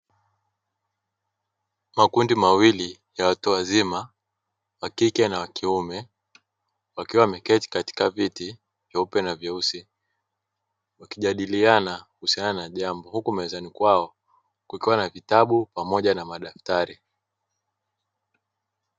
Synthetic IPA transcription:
makundimawilijawatuazima | wakikɛnawakiumɛ | wakiwamɛkɛti̥kati̥kaviti | vjaupɛnavjausi | wakiʄaɗilianahusiananaʄambɔhukumaɛzanikwaɔ | kwukiwanavitaɓupamɔʄanamaɗaftaɾi

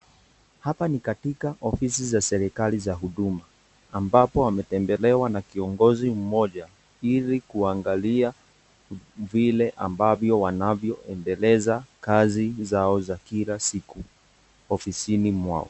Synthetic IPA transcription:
hapanikatikaʔɔfisizasɛɾikalizaɦuɗumaː | mbapɔamɛtɛmbɛlɛwanakiɔŋɡɔzim̩mɔʄa | ilikuaŋɡalia | vilɛʔa̰mbavjɔwanavjɔʔɛndɛlɛzakazizaɔzakilasiku | ɔfisinimwa̰ɔ̰

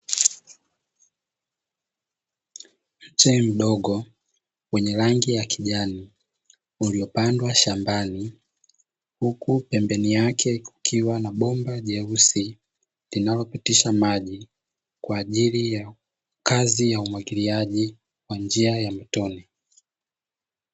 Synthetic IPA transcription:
m̩t͡ʃɛm̩ɗɔɠɔ | wɛɲɛɾaŋɡijakʰiʄani | uliɔpandwaʃambani | hukupɛmbɛnijakʰɛkukʰiwanaɓɔmbaʄɛusi | linalɔpitiʃamaʄi | kwaːʄilija | kazijaumwaɡiliaʄi | kwand͡ʒiajam̩tɔni

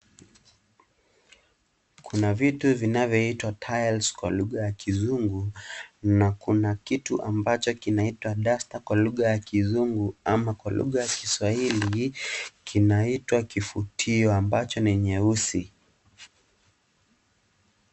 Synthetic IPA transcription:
kʰunavituvinavjɔitwatʰajlskwa̰luɠajakizuŋɡunakunakituʔambat͡ʃɔkinaitwaɗastakwaluɠajakizuŋɡuamakwalṵɣajakiswahilikʰinaitwakifutʰiɔambat͡ʃɔniɲɛusi

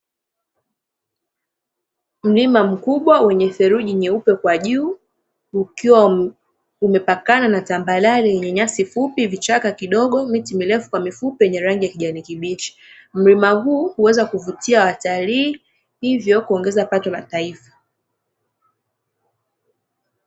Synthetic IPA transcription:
m̩limam̩kuɓwawɛɲɛθɛɾuʄiɲɛupɛkwaʄuː | ukiwa | umɛpakananatambalalijɛɲɛɲasifupivit͡ʃakakiɗɔɠɔmitimilɛfu̥kwamifupɛɛɲɛɾaŋɡijakiʄanikiɓit͡ʃi̥m̩limaɦuːhuwɛzakuvutiawataliː | hivjɔkuɔŋɡɛzapatɔla̰taifḁ

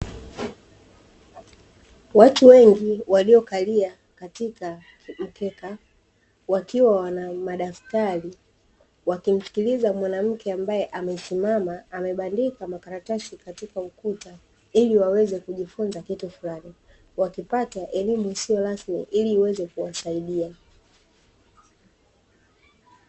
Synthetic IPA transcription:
watuwɛŋɡiwaliɔkalia | katika | m̩kɛka | wakiwawanamaɗaftaɾi | wakim̩si̥kilizamwanam̩kʰɛambajɛʔamɛsimamaːmɛɓandikamakaɾatasikatikaukuta | iliwawɛzɛkuʄifunzakitufulani | wakipataʔɛlimusijɔɾasmḭʔiliːwɛzɛkuwasaiɗia

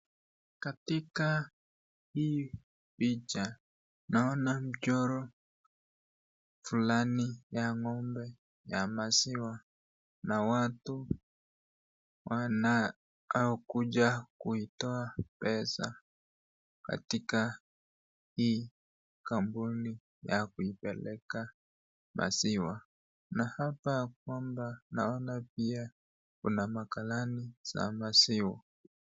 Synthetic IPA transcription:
katika | hiː | pit͡ʃa | naɔnam̩t͡ʃɔɾɔ | fulanijaŋɔmbɛ | jamasiwa | nawatu | wana | aɔkud͡ʒakuitɔapɛsa | ka̰tika | hiː | kambuni | jakuipɛlɛka | mʔa̰siwa | nahapak̚wambanaɔnap̚ia | kunamakalaniz̥a̰masiwa

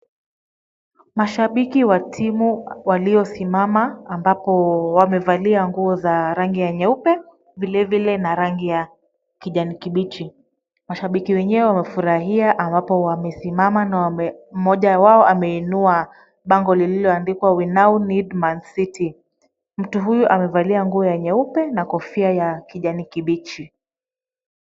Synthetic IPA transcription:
maʃaɓikiwatʰimuwaliɔsimamaːmbapɔwamɛvaliaŋɡuɔzaɾaŋɡijaɲɛupɛ | vilɛvilɛnaɾaŋɡija | kiʄanikiɓit͡ʃi | maʃaɓikiwɛɲɛwɛwamɛfuɾaɦiaʔambapɔwamɛsimamanam̩mɔʄawaɔʔamɛinua | ɓaŋɡɔlililɔandikwawinaunidmansiti | m̩tuɦujuʔamɛvaliaŋɡuɔjaɲɛupɛnakɔfiajakiʄanikiɓit͡ʃi

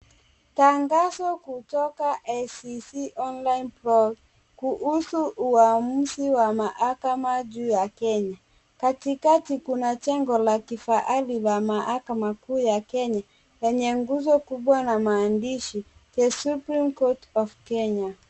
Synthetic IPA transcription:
taŋɡazɔkutɔkaʔɛsisiʔɔnlainplɔ | kuhusuuam̩siwamaʔakamaʄuːjakɛɲa | katikatikunat͡ʃɛŋɡɔlakifaʔalilamahakamakuːjakɛɲa | lɛɲɛŋɡuzɔkuɓwanamaːndiʃikɛsupɾimkɔtɔfkɛɲa

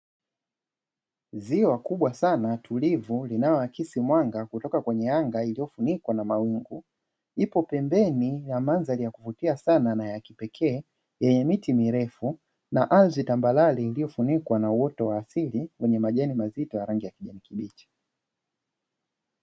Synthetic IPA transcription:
ziwakuɓwasanatʰulivulinajɔakisimwaŋɡakutɔkakwɛɲɛjaŋɡailijɔfunikwanamawiŋɡu | ipɔpɛmbɛnijamanzalijakuvutiasananajakipɛkʰɛː | jɛɲɛmitimiɾɛfu | naʔalzitambalaliːlijɔfunikwanauwɔtɔwaːsiliwʔɛɲɛmaʄɛnimazitɔjaɾaŋɡijakiʄɛnikiɓit͡ʃi̥

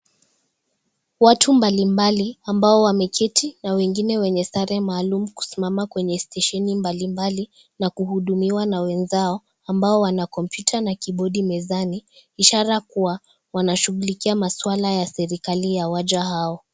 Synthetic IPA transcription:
watumbalimbaliambaɔwamɛkʰɛtʰinawɛŋɡinɛwɛɲɛsaɾɛmaːlumuku̥simamakwɛɲɛstɛʃɛnimbalimbali | nakuhuɗumiwanawɛnzaɔ | ambaɔwanakɔmpjutʰanakiɓɔɗimɛzaniiʃaɾakuwa | wanaʃuɣulikiamaswalajasɛɾikalijawaʄaɦaɔ

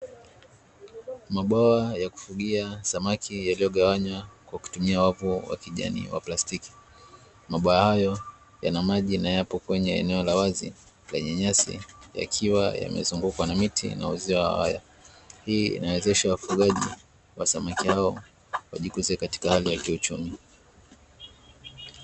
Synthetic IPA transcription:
maɓaajaku̥fuɠiasamakʰijalijɔɠawaɲwakwaku̥tumiawavuwa̰kiʄa̰nḭwa̰plastiki̥ | maɓaahajɔ | janamaʄinajapɔkwɛɲɛɛ̰nɛɔlawazḭ | lɛɲɛɲasḭja̰kʰiwa̰ja̰mɛ̰zuŋɡukwanamitʰḭna̰uziwaha̰wa̰ja̰ | hiːḭnawɛzɛʃawafuɠaʄḭ | wasamakihaɔ | wa̰ʄikuzɛkati̥kahalijakiut͡ʃumi

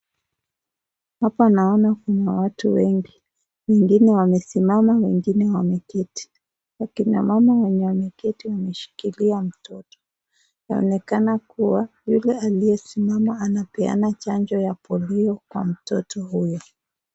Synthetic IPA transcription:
hapanaɔnakunawatuwɛŋɡi | wɛŋɡinɛwamɛsimamawɛŋɡinɛwamɛkɛti̥ | wakina̰mamawɛɲɛwamɛkɛtiwamɛʃi̥kiliam̩tɔtɔ̥ | naɔ̰nɛkanakuwajulɛalijɛsimamaːnapɛa̰nat͡ʃand͡ʒɔjapɔliɔkwa̰m̩tɔtʰɔhujɔ

